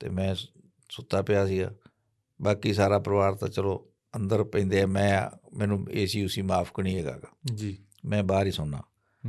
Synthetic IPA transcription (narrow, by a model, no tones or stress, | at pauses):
t̪ḛːmɛ̃ː | sʊt̪ːaːpɪjaːsiːa̰ː | baːkiːsaːɾaːpəɾʋaːɾt̪a̰ːt͡ʃəloː | ənd̪əɾpɛ̃ĩːnd̪eːɛːmɛ̃ːmɛ̃ːnũːeːsiːʊsiːmaːpʰkəɳiːɛːɡa̰ːɡaːd͡ʒi | mɛ̃ːbaːɾiːsʊnːã̰ː